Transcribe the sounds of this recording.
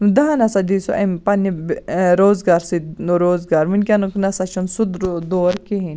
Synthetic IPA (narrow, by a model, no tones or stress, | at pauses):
d̪ɐɦanɐsad̪isoʔɐmpɐnːibɾoːzɡaːɾsiɾoːzɡaːɾminʲkʲanuknɐsat͡ʃʰunsud̪d̪oːɾkiɦinʲ